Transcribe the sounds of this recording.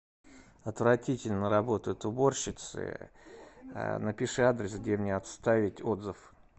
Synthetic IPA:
ɐt̪vrɐtʲitʲɪlʲnəɾɐbo̞t̪əjʊt̪ʊbo̞rɕːɪt̪sɨ̰ | nəpʲɪʂɨad̪ɾʲɪsɡ̚dʲemnʲeɐt̪st̪avʲɪtʲo̞d̪zɨf

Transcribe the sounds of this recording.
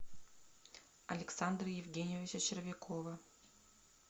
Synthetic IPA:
ɐ̰lʲɪksand̪ɾəjɪvɡʲenʲɪjɪvʲɪt͡ɕɐt͡ɕɪɾvʲɪkʰovə

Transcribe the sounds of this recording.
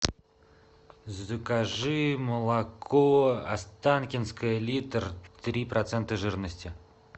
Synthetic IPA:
zɨkaʐɨməlˠakʰoast̪ankʲɪnskəjəlʲit̪rt̪ɾʲiprʔɐt̪sent̪əʐɨrnəsʲtʲɪ

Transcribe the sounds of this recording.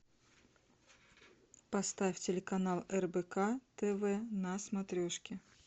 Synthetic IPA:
pɐst̪afʲtʲɪlʲɪkɐnalˠɛrbɛkat̪ɛvɛnɐsmɐt̪ɾʲoʂkʲɪ

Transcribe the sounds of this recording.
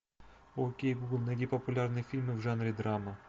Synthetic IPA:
okʲejbuɡlˠnɐdʲipɐpʊlʲarnɨjfʲilʲmɨwʐanɾʲid̪ɾamɐ

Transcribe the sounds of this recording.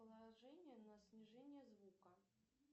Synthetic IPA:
əlˠaʐɛnʲɪjənɐsʲnʲɪʐɛnʲɪjəzvukə

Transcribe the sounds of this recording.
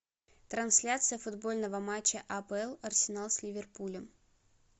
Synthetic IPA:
t̪ɾɐnsʲlʲat̪sɨjəfʊd̪bo̞lʲnəvəmat͡ɕːəʔɐpɛlˠɐrsʲɪnalˠsʲlʲɪvʲɪrpulʲəm

